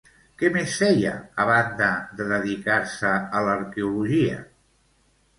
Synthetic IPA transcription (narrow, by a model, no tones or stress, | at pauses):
kɛmesfɛjə̰ːβ̞and̪əðd̪əðəðikaɾsəələɾkeuluʒiə̰